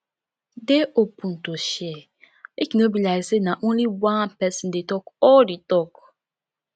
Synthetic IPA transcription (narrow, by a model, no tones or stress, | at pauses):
deopũn̩toʃɛ | ekinobilaksenaʔõnliwãnpɛsĩndetɔkɔlditɔk